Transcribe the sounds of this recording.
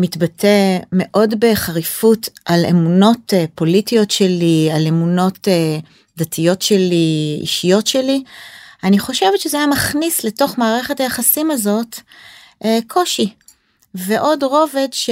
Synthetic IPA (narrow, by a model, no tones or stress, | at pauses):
mitbatʰe̞me̞ʔo̞dbe̞χaʁifutʔalḛmuno̞tpo̞litijo̞tʃe̞liale̞muno̞te | datʰijo̞tʃeliḭʃijo̞tʃelianiχo̞ʃe̞vetʃezeajamaχnisleto̞χmaːʁe̞χetajaχasimazo̞t | kʰo̞ʃi | ve̞ʔo̞dʁo̞ve̞dʃ